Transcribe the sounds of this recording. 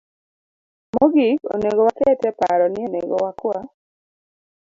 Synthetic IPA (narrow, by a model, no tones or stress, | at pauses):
moɡiko̰neɡowakɛtɛpaɾɔnɪonḛɡɔ̰wakwa